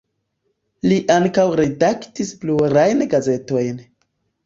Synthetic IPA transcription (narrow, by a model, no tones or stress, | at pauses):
liʔaŋkawɾedaktispluɾajnɡaze̞to̞jn